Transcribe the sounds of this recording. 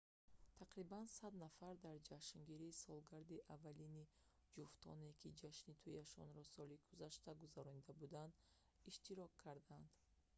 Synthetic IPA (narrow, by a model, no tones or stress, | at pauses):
t̪ʰaqɾibansad̪nafaɾd̪aɾd͡ʒaʃŋɡiɾiːsɔlɡaɾd̪iʔavːalini | d͡ʒuft̪ʰɔ̰ne̞kʰid͡ʒaʃnit̪ʰujaʃɔ̰nɾɔsɔliɡuzaʃt̪aɡuzaɾɔnid̪abud̪and̪ | iʃt̪iɾɔkʰːaɾd̪and̪̥